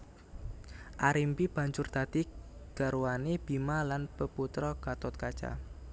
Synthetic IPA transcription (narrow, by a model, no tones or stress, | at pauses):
ʔaɾimpib̥a̤ɲt͡ʃʊrd̪̥a̤d̪̥iɡ̥a̤ɾuanib̥imalanpəput̪ɾɔkat̪ʊt̪̚kḁt͡ʃa̰